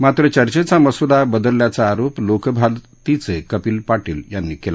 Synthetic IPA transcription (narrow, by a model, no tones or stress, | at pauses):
mat̪ɾət͡ɕəɾt͡ɕet͡saməsud̪abəd̪əlːjat͡saːɾoplokbʱal | t̪it͡sekəpiːlpaʈḭːljanːikela